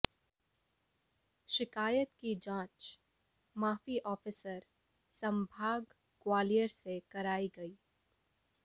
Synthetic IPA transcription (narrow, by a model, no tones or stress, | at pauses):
ʃɪkaːjət̪kid͡ʒãːt͡ʃ | maːfiʔɔːfɪsəɾ | sɐ̃mbʱaːɡ | kwaːlijəɾsekɐɾaːiɡɐiː